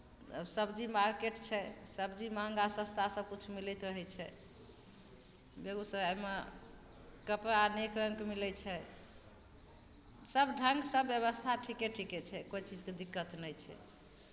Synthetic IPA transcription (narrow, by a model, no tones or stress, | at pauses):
səbd͡ʒimaɾkeʈt͡ʃʰɛsəbd͡ʒimaŋɡasə̃st̪ʰasəb̚kut͡ʃʰmilɛt̪ɾəɦɛt͡ʃʰɛ | beɡusəbajme | kəpɾaanekɾəŋkmilɛt͡ʃʰɛ | səbɖʱəŋɡsəbːjəβəst̪ʰaʈʰikɛʈʰikɛt͡ʃʰɛkojt͡ʃid͡ʒked̪ikːət̪nɛjt͡ʃʰɛ̰